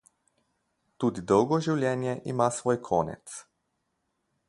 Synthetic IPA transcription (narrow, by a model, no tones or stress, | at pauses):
t̪ud̪id̪owɡoʒiwljenjeʔimasʋoːjkʰoːnɛ̰t̪s